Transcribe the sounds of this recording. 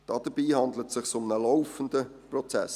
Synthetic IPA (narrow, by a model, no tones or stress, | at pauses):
d̥ɑːd̥əb̥iːhɑndlətsɪχsʊmnəlɔʊfən̩dəprɔt͡sæ̰s